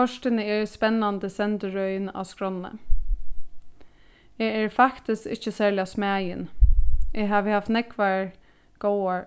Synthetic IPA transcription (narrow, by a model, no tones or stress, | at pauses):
ɔʂʈɪnəɛɹspɛnːand̪əsɛnt̪əɹœʏna̰skɾɔnːə̰ | ɛɛɹfakt̪ɪskɪ̰ht͡ʃːəsæːɹlɪasmæːjɪnʔɛːɦaːʋəhaft̪nɛkʋaɹ | ɡ̥oːa